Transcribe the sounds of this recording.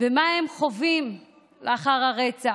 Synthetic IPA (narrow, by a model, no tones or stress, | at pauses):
vemaemχo̞vim | leaχaʁaʁet͡sa